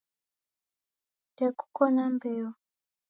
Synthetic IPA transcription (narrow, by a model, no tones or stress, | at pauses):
dɛku̥kɔnambɛɔ